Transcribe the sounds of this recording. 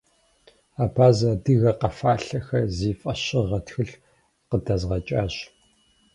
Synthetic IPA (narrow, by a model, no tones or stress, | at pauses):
aːpʰaːzɐdɨɣɐqɐfaːɬɐxɐziːfʼɐɕɪʁɐtxɨɬ | qədɐzʁɐt͡ʃʼaːɕ